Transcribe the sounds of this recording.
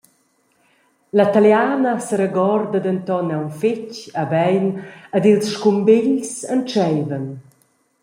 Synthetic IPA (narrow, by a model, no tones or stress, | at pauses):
lat̪aljaːnasəɾəɡɔrd̪ad̪ənt̪ɔnɛwnficabɛjnad̪ilsʃkumbiʎsənt͡ʃɛjvən